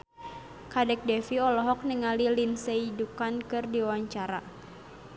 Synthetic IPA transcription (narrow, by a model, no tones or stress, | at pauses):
kadɛk̚dɛfiɔlɔɦɔk̚niŋalilinseidukankɨrdiwaɲt͡ʃaɾa